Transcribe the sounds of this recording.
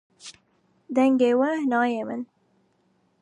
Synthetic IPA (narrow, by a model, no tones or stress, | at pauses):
d̪ɛŋɡeːwɐnɑːjeːmɨn